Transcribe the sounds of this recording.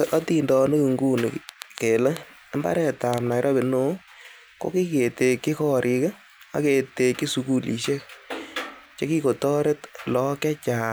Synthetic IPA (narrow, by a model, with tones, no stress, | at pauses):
a˦ti˦ndɔ˧no˦ki˨ŋɡu˦n̰ke˨le˦ | mba̰˦ɾɛ˨ta˨mna˨jɾʔɔ˦be˨no˦ | ko̰˦ki˦ke˨te˨˧ki˦kɔ˦ɾʔik | a̰˨ke˨te˧ki˦su˨ku˦lḭ˨ʃe˦ | t͡ʃe˦ki˦ko˨tɔ˦ɾe˦tlɔ˨kɛ˦t͡ʃa˨